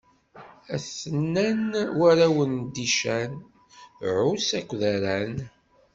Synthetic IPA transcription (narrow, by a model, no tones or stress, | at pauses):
æθənːænwæɾæwənd̪iʃæn | ʕusækʷːðæɾæn